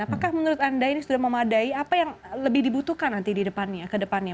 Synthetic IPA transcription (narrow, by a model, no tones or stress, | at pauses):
apakahmənuɾʊt̪andainisudahməmadaiapajaŋləbɪhdibut̪uhkanːant̪ididəpanɲakədəpana